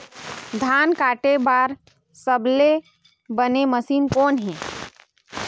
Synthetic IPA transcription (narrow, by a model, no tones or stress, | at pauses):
d̪ʱaːnkaːʈebaːɾ | səble | bəneməsiːnkɔːnɦɛ̃ː